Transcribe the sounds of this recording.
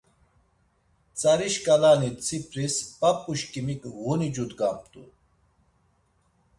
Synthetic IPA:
t͡sʼaɾiʃkʼalanit͡sʰipʰʼɾispapʼːuʃkʼimikʼvunid͡ʒud̪ɡampt̪ʼṵ

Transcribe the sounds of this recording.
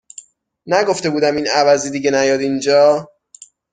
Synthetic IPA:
næɡo̞ft̪e̞buːd̪æminævæzid̪iːɟenæjɒːd̪ind͡ʒɒː

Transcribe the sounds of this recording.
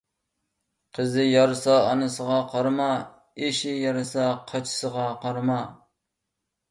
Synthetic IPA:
qʰəzɪjɑɾɨsɑɑnɨsəʁɑqʰɑɾmɑ | eʃɪjɑɾɨsɑqʰɑt͡ʃʰɪ̥səʁɑqʰɑɾmɑ

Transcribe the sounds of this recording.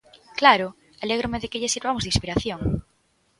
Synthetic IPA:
klaɾo | aleɣ̞ɾomeðekeʎesiɾβamozðĩŋspiɾaθjoŋ

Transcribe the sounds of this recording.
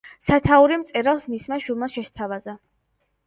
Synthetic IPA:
sat̪ʰauɾimt̪sʼɛɾalˠsmismaʃulˠmaʃɛst̪ʰavaza

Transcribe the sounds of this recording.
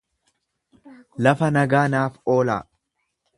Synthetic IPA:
lɐfɐnɐɡaːnaːfo̞ːla̰ː

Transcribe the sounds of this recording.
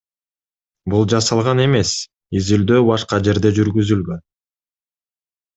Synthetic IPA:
bulˠd͡ʒɑsɑlˠʁɑne̞me̞s | izyld̪øːbɑʃqɑd͡ʒe̞ɾd̪e̞d͡ʒyɾɡyzylɡø̞n

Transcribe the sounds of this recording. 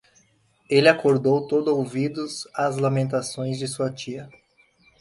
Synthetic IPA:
elɪakoɾd̪owt̪od̪ʊowvid̪ʊzazlamẽnt̪asõj̃zd͡ʒɪsuɐt͡ʃiɐ

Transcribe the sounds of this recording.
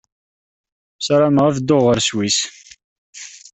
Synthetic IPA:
sɾamʁæfd̪ːoʁəɾswis

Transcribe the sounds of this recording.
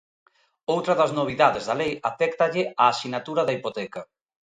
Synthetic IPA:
owt̪ɾɐðɐznoβ̞iðaðezðɐlejafɛkt̪ɐʎɪʔaːsinat̪uɾɐðɐipot̪ɛkɐ

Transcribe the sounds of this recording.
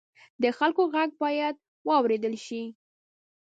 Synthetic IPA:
d̪əxalkoɣaɡ̚bɑjad̪̚ | wɑwɾed̪əlʃi

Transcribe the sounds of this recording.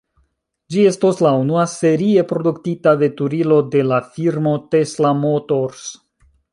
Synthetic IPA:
d͡ʒie̞stoslaunuase̞ɾie̞pɾo̞duktitave̞tuɾilo̞de̞lafiɾmo̞te̞slamotoɾs

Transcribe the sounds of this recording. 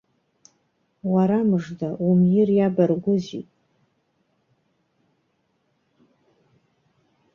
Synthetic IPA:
waɾamɨʐdaumjɪrjabarɡʷʊzḭtʼ

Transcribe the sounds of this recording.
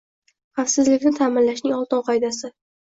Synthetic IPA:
χɑfsɪzlɪkʲnɪt̪ʰaːmɪnlaʃnɪŋɒlˠt̪ɨnqʰɒjd̪asɪ

